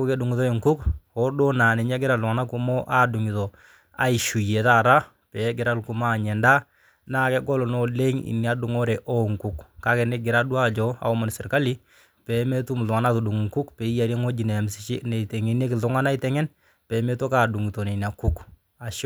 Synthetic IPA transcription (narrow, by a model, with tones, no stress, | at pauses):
u˦ke˦du˨ŋi˨tɔ˦i˨ŋku˦kɔ˦do˦na˨ne˨ɲ˦a˦ɡɪ˦ɾa˨tʊ˨ŋa˨na˦ku˦mɔ˦ʔa˦du˨ŋi˨tɔ˨ | a̰˨ɪ˨ʃu˨je˨taː˦˨ɾa˦ | pɛ˨ɡɪ˨ɾa˦lku˦ma˦˨ɲɛ˨nda˦ | na˦˨kɛ˦ɡɔ˦lɔ˨nɔ˦le˦ŋḭ˨ni˦a˦du˨ŋɔ˦ɾɛ˨ʔɔ˦ŋku˦kka˦kɛ˨nɛ˦ɡɪ˨ɾa˦du˦a˦˨d͡ʒɔ˦a̰˨ɔ˦ma˨n˨sɪ˨ɾka˦li˦ | pɛ˨me˦tu˦m˨tʊ˨ŋa˨na˦tu˨du˨ŋ˨ŋku˦kpe˨i˦ja˨ɾje˦ŋo˦d͡ʒi˨nɛ˨msɪ˦t͡ʃi˦ne˨tɛ˨ŋi˨ne˦kɪ˨tʊ˦ŋa˦na˦ɪ˦tɛ˨˦ŋɛ˦n | pɛ˨˦me˦tɔ˦kaː˨du˨ŋi˨tɔ˨ne˨n˨a˨ku˦k | a˨ʃ